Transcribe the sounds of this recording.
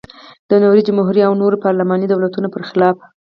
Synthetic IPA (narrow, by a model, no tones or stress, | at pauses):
d̪̥ənoɾid͡ʒəmʊɦɾiawnoɾpɑɾlamɑnid̪awlat̪unopəɾxɪlɑf